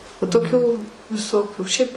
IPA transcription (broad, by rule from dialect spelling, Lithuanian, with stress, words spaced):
ʋɐ toːˈkʲuː ʋʲɪˈsoːkʲuː ʃʲɛɪp